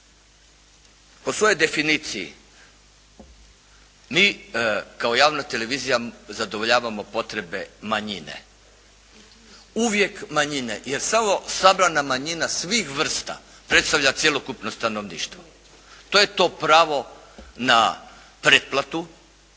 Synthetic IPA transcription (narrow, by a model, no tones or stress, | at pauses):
posʋo̞jo̞jd̪e̞finiːt̪sijḭ | miːkaojaːʋnat̪e̞le̞ʋiːzijazad̪oʋoʎaːʋamo̞po̞t̪ɾe̞be̞maɲinḛ | uʋje̞kmaɲine̞̰jeɾsamo̞sabɾanamaɲinasʋixʋr̩st̪a̰ | pɾe̞t̪st̪aʋʎat̪sjelo̞kupno̞st̪anoʋnḭːʃt̪ʋo | t̪o̞je̞t̪o̞ːpɾaːʋo̞ | na̰ | pɾet̪̚plat̪u